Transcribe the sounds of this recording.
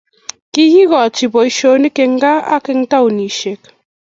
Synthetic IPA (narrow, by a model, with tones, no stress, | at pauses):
ki˦hi˦ɣɔ˨t͡ʃi˨bɔ˨i˦ʃo˨˦ni˦ke˨ŋ˦ɡa˦a̰˦kɛ˨ŋta˦u˨ni˨ʃe˨k